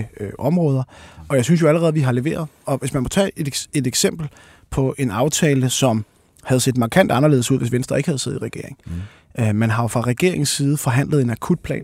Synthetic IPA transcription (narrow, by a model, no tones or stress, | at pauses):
øʔɒ̽mʁɔːð̞ˠɐʔɒ̽jɑ̈ɪsynsjoæləʁɛːð̞̩ˠʋiɦɑ̈le̝ʋe̝̰ːɐð̞̩ˠɒ̽ʋe̝smænmɒ̽t͡sʰɛ̰ːed̥e̝d̥eɡ̥sem̰b̥l̩ | pʰɒ̽ʔe̝nɑ̈ʊt͡sʰɛːləsɒ̽m | hæð̞̩ˠse̝̰ːd̥mɑ̈kʰæn̰d̥ɑ̈nɐle̝ːðˠsuð̞̰ˠʋe̝sʋend̥ʁɐe̝ɡ̥hæð̩ˠse̝̰ðˠiʁɛɡ̥e̝ɐ̰eŋ̩ | mænɦɑ̈ofʁɑ̈ʁɛɡ̥e̝ɐe̝ŋn̩siːð̞ˠəfɒ̽ɦæn̰ləð̩ˠe̝nækʰud̥̚pʰlɛ̰ːn